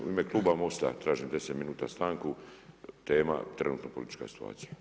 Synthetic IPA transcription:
ṵimeklˠuːbamo̞st̪a̰t̪ɾaːʒimd̪e̞set̪minuːt̪a̰st̪aːŋkut̪eːma̰t̪ɾenuːt̪nopolit̪i̥t͡ʃka̰si̥t̪ua̰ːt̪sija

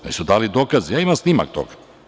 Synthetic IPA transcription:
nḭsud̪aːlid̪oːkazijaːimamsnima̰k̚t̪o̰ɡḁ

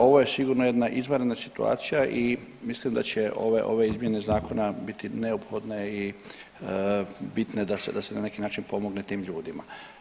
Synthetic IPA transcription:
o̞ʋoje̞siɡuɾnoje̞d̪naʔizməɾenasit̪ua̰ːt̪sijaʔimislimd̪at͡ɕe̞ʔo̞̰ʋeʔo̞̰ʋe̞izmje̞ne̞zaːko̞nabit̪ineopxo̞d̪ne̞i | bit̪ne̞d̪asḛd̪asenane̞kinaːt͡ʃinpo̞moɡne̞t̪iːmʎuːd̪ima̰

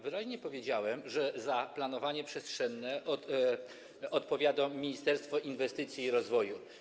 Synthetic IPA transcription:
vɘɾaʑɲɛpɔvʲjed͡ʑawɛmʐɛzaplanɔvaɲɛpʂɛstʂɛnːɛ | ɔt̪pɔvʲjad̪ɔmʲiɲist̪ɛɾst̪fɔʔinvɛst̪ɘt̪sʲjiːɾɔzvɔju

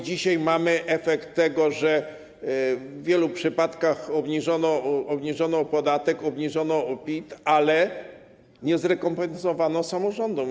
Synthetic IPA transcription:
d͡ʑiɕajmamɘʔɛfɛkt̪ːɛɡɔʐɛ | vvʲjɛlupʂɘpat̪kaxɔbɲiʐɔnɔɔbɲiʐɔnɔpɔd̪at̪ɛkɔbɲiʐɔnɔɔpʲit̪alɛ | ɲɛzɾɛkɔmpɛnsɔvanɔsamɔʐɔnd̪ɔm

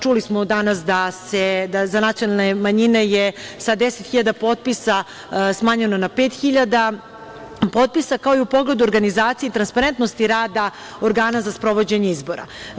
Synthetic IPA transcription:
t͡ʃulismod̪anas̬d̪ased̪azanat̪sijo̞nalˠnemaɲine̞jesad̪d̪eset̪xiʎad̪apo̞ːt̪̚pisa | smaːɲenonapeːt̪xiʎad̪a | pot̪̚pisakaoiupo̞ɡle̞d̪uoɾɡanizaːt̪sieit̪ɾanspaɾent̪nost̪iɾaːd̪a | oɾɡaːnazaspɾo̞ʋo̞d͡ʑeɲeizbo̞ɾa̰

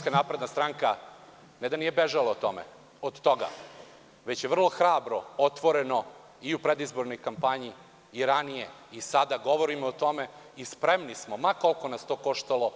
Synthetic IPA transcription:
kanaːpɾe̞d̪nast̪ɾaŋka | ned̪anijebeʒalaot̪o̰mḛ | od̪t̪o̞ɡa̰ | ʋe̞t͡ɕjeʋr̩lˠo̞xɾaːbɾo̞ot̪ʋo̞ɾeno̞ | iupɾed̪izbo̞ɾno̞jkampaɲiː | ɾanijeisad̪aɡo̞ʋoɾimoot̪o̞meispɾemnismo̞mako̞lˠkonast̪o̞ːko̞ʃt̪alˠo

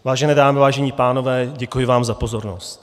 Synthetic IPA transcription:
vaːʒɛnɛːdaːmɪvaːʒɛɲiːpaːno̞vɛːɟɛkujɪvaːmzapo̞zo̞ɾnost̪

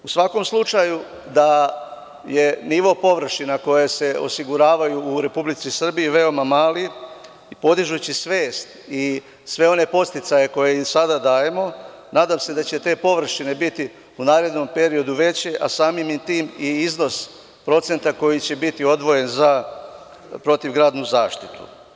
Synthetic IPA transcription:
usʋako̞mslˠut͡ʃaju | d̪a | je̞niʋo̞po̞ʋr̩ʃinako̞jese̞o̰siɡuɾaːʋajuːɾe̞publit̪sisr̩biiʋe̞o̞mamaːli | po̞d̪iʒut͡ɕisʋe̞ːst̪i | sʋe̞o̞ne̞po̞st̪it̪saje̞ko̞jesad̪ad̪aːje̞mo̞ | naːd̪amse̞d̪at͡ɕe̞t̪e̞ːpo̞ʋr̩ʃine̞bit̪i | unaːɾe̞d̪no̞mpe̞ɾio̞d̪uʋe̞t͡ɕeʔa̰saːmimint̪iːmiizno̞s | pɾo̞t̪se̞nt̪ako̞jit͡ɕe̞bit̪io̞d̪ʋo̞je̞nza | pɾo̞t̪iʋɡɾaːd̪nuzaːʃt̪it̪ṵ

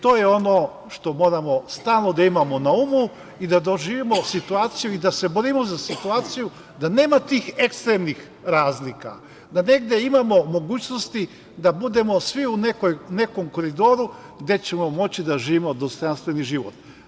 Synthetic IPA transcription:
t̪o̞ːjeo̞no̞ | ʃt̪o̞mo̞ːɾamo̞st̪aːlˠno̞d̪aimamo̞naumu | id̪ad̪o̞ʒiːʋimo̞sit̪uaːt̪sijuid̪ase̞boɾimozasit̪uaːt̪siju | d̪ane̞ːmat̪iːxe̞kst̪ɾemnix | ɾaːzlika̰ | d̪ane̞ɡd̪e̞imamo̞mo̞ɡuːt͡ɕno̞st̪i | d̪abud̪e̞mo̞sʋiunekojne̞ko̞mko̞ɾid̪o̞ɾu | ɡd̪e̞t͡ɕe̞mo̞mo̞t͡ɕid̪aʒiːʋimo̞d̪ost̪o̞janst̪ʋe̞niʒiʋo̰t̪

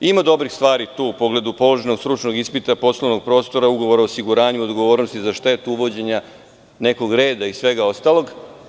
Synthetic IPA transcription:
imad̪o̞bɾixst̪ʋaːɾit̪uːupo̞ɡle̞d̪upo̞lˠo̞ʒenoɡst̪ɾut͡ʃno̞ɡispit̪apo̞slˠono̞ɡ̚pɾo̞ːst̪o̞ɾauɡo̞ʋo̞ɾaosiɡuɾaːɲuod̪ɡo̞ʋo̞ːɾnost̪izaʃt̪e̞t̪uuʋo̞d͡ʑe̞ɲa | ne̞ko̞ɡɾe̞ːd̪aisʋe̞ɡao̞st̪alo̞ɡ

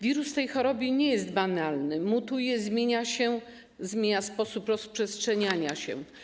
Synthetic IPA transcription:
vʲiɾust̪ɛjxɔɾɔbʲiɲɛjɛst̪banalnɘmut̪ujɛzmʲjeɲaɕɛ | zmʲjeɲaspɔsupɾɔspʂɛstʂɛɲaɲaɕɛ̰

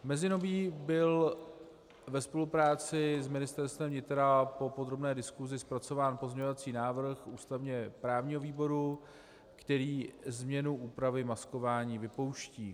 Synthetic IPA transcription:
mɛzɪno̞biːbɪl | vɛspo̞lupɾaːt͡sɪzmɪnɪst̪ɛɾst̪vɛmvɲɪt̪ɾapo̞pod̪ɾo̞bnɛːdɪskuzɪspɾat͡so̞vaːnpozɲeɲovat͡siːnaːvr̩xuːst̪avɲɛpɾaːvɲiːɦo̞viːbo̞ɾu | kt̪ɛɾiːzmɲɛnuʔuːpɾavɪmasko̞vaːɲiːvɪpo̞wʃciː

